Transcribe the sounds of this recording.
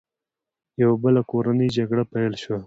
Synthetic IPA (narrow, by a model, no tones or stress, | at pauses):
jawabəlakoɾanəjd͡ʒaɡɽapajlʃwa